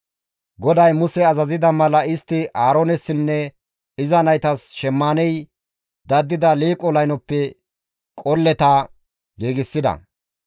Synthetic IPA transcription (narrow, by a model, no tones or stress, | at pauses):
ɡɔd̪ɐjmʊsɛɐzɐzɪd̪ɐmɐlɐɪst̪ːɪʔaːɾonɛsːɪnːɛ | ɪzɐnɐjt̪ɐsʃɛmːaːnɛj | d̪ɐd̪ːɪd̪ɐliːkʼɔlɐjnɔpːɛ | kʼɔlːɛt̪ɐ | ɡiːɡɪsːɪd̪ɐ̰